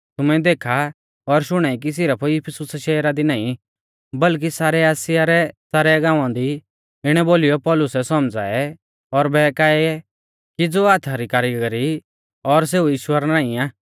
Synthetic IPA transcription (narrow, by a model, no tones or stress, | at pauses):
t̪ʊmɛ̃d̪eːkʰa | ɔɾʃʊɽ̃aik̬is̬ɪɾapʰojɪpʰɪsʊsʃɛːɾad̪inãːĩ | bɐlk̬isaːɾɛaːsɪjaɾɛsaːɾɛɡãːʋãd̪i | ɪɽ̃ɛboːlɪjɔpɔːlʊsɛsɔmd͡za̰ːɛ | ɔɾbɛːkaːɛɛ | kid͡zoːaːt̪ʰaɾikaːɾiɡɡɾi | ɔɾs̬eːujiːʃwəɾnaːĩaː